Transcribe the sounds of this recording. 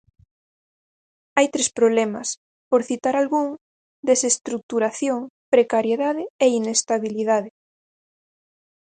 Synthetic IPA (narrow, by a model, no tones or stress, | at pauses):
ajt̪ɾespɾoβlɛmɐs | poɾθit̪aɾalɣuŋ | d̪esest̪ɾuk̚t̪uɾaθjoŋpɾekaɾjeðaðɪeinest̪aβiliðaðɪ